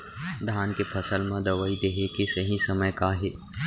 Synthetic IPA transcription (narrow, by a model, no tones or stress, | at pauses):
d̪ʱaːnkepʰɐsəlmãd̪ɐʋaːid̪eɦekesɐɦĩsɐməjkaɦeː